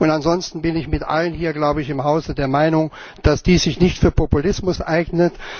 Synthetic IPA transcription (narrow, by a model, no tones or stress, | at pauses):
ʔʊntanzɔnstn̩bɪnɪçmɪtʔa̰lənhiːɐɡlaʊbəɪçɪmɦaʊzədeːɐmaɪnʊŋ | d̥asd̥iːsz̥ɪçnɪçtfyːɐpʰɔpulɪsmʊsʔaɪɡnət